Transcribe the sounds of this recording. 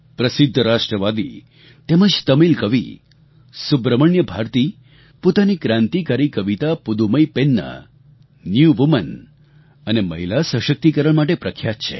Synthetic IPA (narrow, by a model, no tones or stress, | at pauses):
pɾəsɪd̪ʱːəɾaʃʈɾəʋad̪ḭ | t̪eməd͡ʒt̪əmilkəʋḭ | subɾəməɳjəbʱaɾt̪i | pot̪anikɾãnt̪ikaɾikəʋit̪apud̪uməjpenːə̰ | njuʋumən | əneməɦilasə̃ʃək̚t̪ikəɾəɭmaʈ̬epɾəkʰjat̪t͡ʃʰḛ